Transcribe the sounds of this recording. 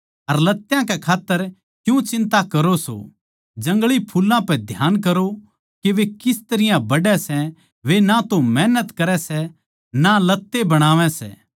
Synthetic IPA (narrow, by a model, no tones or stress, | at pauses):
ɐɾlɐt̪ːjãkɛkʰaːt̪ːəɾ | kjũt͡ʃɪ̃nt̪akɐɾoso̰ | d͡ʒɐ̃ŋɡɭipʰuːlãpɛd̪ʱjaːnkɐɾo | keʋekɪst̪ɐɾɪjãbɐɖɛsɛ | ʋenat̪omɛːnət̪kɐɾɛsɛ | nalɐt̪ːebɐɽ̃aːʋɛ̃sɛ̰ː